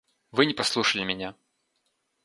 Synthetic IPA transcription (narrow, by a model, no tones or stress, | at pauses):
vɨnʲɪpɐslˠuʂəlʲɪmʲɪnʲa